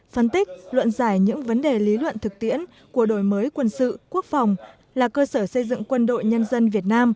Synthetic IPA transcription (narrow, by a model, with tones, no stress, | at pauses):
fə˧nt̪ï˦˥k̚lwə̰˧˨nzaː˧˩jɲɨ̰˧˥ŋvə˨˦nɗe˨˩li˨˦lwə̰˧˨nt̪ʰɨ˨˩k̚t̪ḭ˧˥ən | ku˧˩əɗo˧˩jməː˨˦jkwə˧nsɨ̰˧˨ku˦˥ək̚fa˨˩wŋ͡m | laː˨˩kəː˧səː˧˩sə˧jzɨ̰˧˨ŋkwə˧nɗo̰˧˨jɲə˧nzə˧nvi˨˩ət̚naː˧m